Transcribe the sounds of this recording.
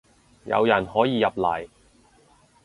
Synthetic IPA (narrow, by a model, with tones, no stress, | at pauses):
jɐ̰˨˧wjɐ˨˩nhɔː˨˥jiː˨˧jɐ˨p̚lɐ˨˩j